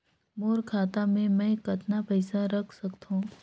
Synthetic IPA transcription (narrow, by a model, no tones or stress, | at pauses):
moːɾkʰaːt̪amẽmɛ̃ːkɐt̪napɛɪsaɾɐkʰsɐkt̪ɦũː